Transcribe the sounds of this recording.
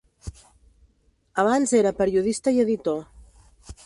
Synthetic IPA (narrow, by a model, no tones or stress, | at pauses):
əβ̞anzeɾəpəɾjuð̞ist̪əiəðit̪o